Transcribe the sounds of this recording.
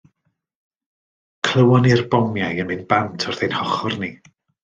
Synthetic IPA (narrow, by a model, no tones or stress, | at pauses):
kʰl̥ˠəwɔnirbɔmjajənmɨnb̥antʰɔrðejnhɔχɔrni